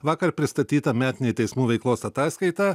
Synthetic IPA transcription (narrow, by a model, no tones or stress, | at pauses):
ʋɑːkɐɾpʲɾʲɪst̪ɐt̪ʲiːt̪ɐmʲæːt̪ʲɪnʲet̪ʲɛɪsmuːʋʲɛɪklˠoːsɐt̪ɑːskɐɪt̪ɑ